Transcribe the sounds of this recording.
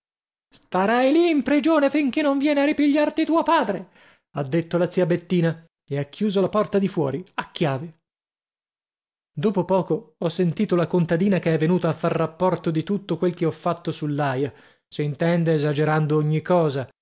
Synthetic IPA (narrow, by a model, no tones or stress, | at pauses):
st̪aɾajliːmpɾid͡ʒoːnefiŋk̟enːoɱvjɛːneaɾipiʎːart̪it̪uopaːd̪ɾe | ad̪ːet̪ːolat̪sːiːabet̪ːiːna | eakːjuːzolapɔrt̪ad̪ifwɔːɾiakːjaːve | d̪oːpopɔːkoɔsːent̪iːt̪olakont̪ad̪iːnakeɛvːenuːt̪aːfːarrapːɔrt̪od̪it̪ut̪ːokwelkeɔfːat̪ːosulːaːja | seint̪ɛnd̪eːzad͡ʒeɾand̪ooɲːikːɔːza